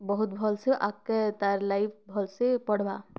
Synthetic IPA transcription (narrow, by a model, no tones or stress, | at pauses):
bəɦut̪bʱɔlseʔakːat̪aɾlaip̚ʰbʱɔlsepəɽ̤ba